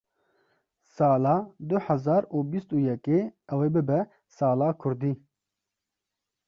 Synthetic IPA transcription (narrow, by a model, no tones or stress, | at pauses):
sɑːlɑːd̪ʊhɛzɑːɾuːbist̪uːjɛkeːɛweːbɨbɛ | sɑːlɑːkʰʊɾd̪iː